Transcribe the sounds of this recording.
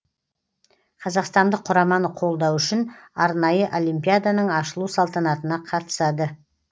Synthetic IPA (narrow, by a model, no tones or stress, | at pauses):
qʰɑzɑqst̪ɑnd̪əqʰːʊɾɑmɑnəqʰo̞lˠd̪ɑwʏʃɪnɑɾnɑjəʔo̞lʲˠimpʲijad̪anəɴɑʃəlˠusɑlˠt̪ɑnɑt̪ənɑqʰɑt̪ə̥sɑd̪ə